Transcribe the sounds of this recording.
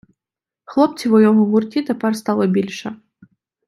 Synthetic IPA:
xlˠɔp̚t͡s̪ʲivɔjɔɣɔɣurtʲit̪ɐparst̪alˠɐbʲilʲʂɐ

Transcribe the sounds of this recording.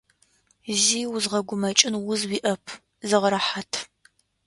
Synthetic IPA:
ziːwʊzʁɐɡʷʊmɐt͡ʃʼɪnwʊzwiʔɐpʰ | zɨʁɐɾɐħatʰ

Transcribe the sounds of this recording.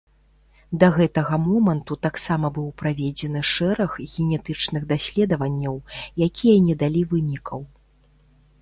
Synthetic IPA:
d̪ɐɣɛt̪ɐɣɐmɔmɐnt̪ut̪aksamɐbɨwpɾavʲɛd͡zʲɛnɨʂɛɾɐɣɣʲɛnʲɛt̪ɨt͡ʂnɨɣd̪asʲlʲɛd̪ɐvɐnʲːɐwjakʲijɐnʲɛd̪alʲivɨnʲikʰɐw

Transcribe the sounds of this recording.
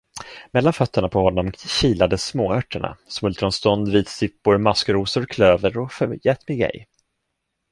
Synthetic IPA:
mɛlːanfœt̪ʰːəɳapʰɔhɔnːɔmɕiːlad̪əsmoːœʈːəɳa̰smɵlt̪ɾɔnst̪ɔnd̪viːt̪sɪpːʊɾmaskəɾuːsʊɾkʰløːvəɾɔfœjɛːt̪mɪɡɛ̰j

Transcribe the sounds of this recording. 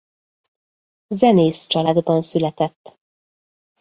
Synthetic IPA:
zɛneːst͡ʃɒlaːd̪bɒnsylɛt̪ɛt̪ː

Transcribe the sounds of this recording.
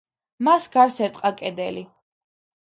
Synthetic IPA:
masɡaɾsɛɾt̪ʼqʼakʼɛd̪ɛ̰li

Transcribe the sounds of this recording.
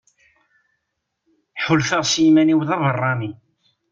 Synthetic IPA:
ħʊlθəʁsjimæniwðɑvərˤːɑmi

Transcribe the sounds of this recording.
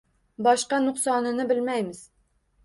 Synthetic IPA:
bɒʃqɑnʊχsɑnɪnɪbɪlmæjmɪz̥

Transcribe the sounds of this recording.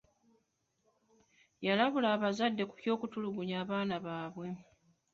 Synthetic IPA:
jalaβulaːβazadːe̞ku̥kjo̞ːkutuluɡuɲaːβaːnaβaːβwe̞

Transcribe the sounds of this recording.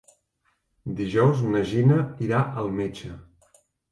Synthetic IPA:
d̪iʒɔwznəʒinəiɾaʔəlˠmet͡ʃə

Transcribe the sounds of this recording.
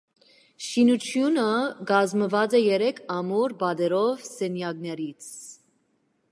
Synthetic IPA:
ʃinut͡sʰjunəɡɑzməvɑt͡sɛjɛɾɛkʰɑmuɾbɑd̪ɛɾɔvsɛnjɑɡnɛɾit͡sʰ

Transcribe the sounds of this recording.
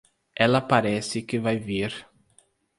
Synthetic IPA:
ɛlɐpaɾɛsɪkɪvajviɾ

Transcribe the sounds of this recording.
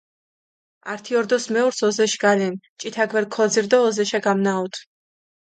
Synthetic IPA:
aɾt̪ʰiɔɾd̪ɔsmɛɔɾsɔzɛʃɡ̥alɛn | t͡ʃʼit̪ʰaɡvɛɾkʰɔd̪ziɾd̪ɔːzɛʃaɡamnaɔt̪ʰ

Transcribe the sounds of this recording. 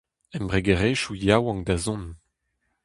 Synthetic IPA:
ɛmbʁeɡeʁeʃujawɑ̃ŋd̪azɔ̃n

